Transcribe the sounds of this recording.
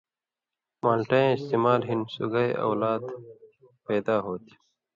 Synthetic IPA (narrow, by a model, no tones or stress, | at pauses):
maːlʈaẽɪst̪eːmaːlɦinsṵɡajʔɐ̰wlaːd̪ | peːd̪aːɦoːt̪ʰi̥